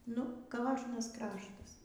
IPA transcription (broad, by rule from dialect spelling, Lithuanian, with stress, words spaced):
nʊ ˈkoːʒnɐs ˈkrɑːʃtɐs